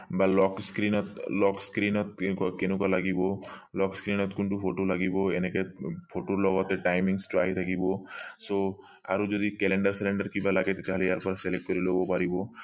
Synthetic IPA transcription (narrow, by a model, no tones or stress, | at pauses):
balɔkskɾinɔt̪lɔkskɾinɔt̪kkenukalaɡibɔlɔkskɾinɔt̪kunʈupʰoʈolaɡibɔenekepʰoʈoɾlɔɡɔt̪eʈajmiŋsʈa̰ɦit̪ʰakibɔso | a̰ɾud͡ʒod̪ikɛleɳɖaɾseleɳɖaɾkibalaɡet̪et̪aɦaleaɾpɔɾaselek̚ʈ̚kɔɾilobɔpaɾibɔ